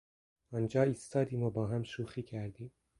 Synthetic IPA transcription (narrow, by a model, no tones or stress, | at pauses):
ɒːnd͡ʒɑːist̪ɑːd̪iːmobɒːɦæmʃuːxiːkʰæɾd̪iːm